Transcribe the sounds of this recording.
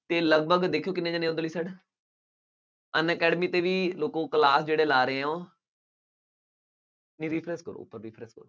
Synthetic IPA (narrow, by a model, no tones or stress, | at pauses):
t̪eːləɡ̚bʱəɡd̪eːkʰijoːkɪnːẽːd͡ʒãːnẽːʊd̪əliːsəɖ | ənɛːkɛːɖmiːt̪eːʋiːloːkõːkəlaːsd͡ʒeːɽeːlaːɾəeõː | nĩːɾiːpʰɾɛːskəɾo̰ːpəɾːiːpʰɾɛːskəɾoː